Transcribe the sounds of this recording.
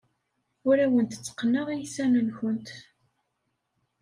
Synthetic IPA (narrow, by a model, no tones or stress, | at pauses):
ʊɾæwənt̪t͡sːə̥qːnːəʁijisænənçʊnt̪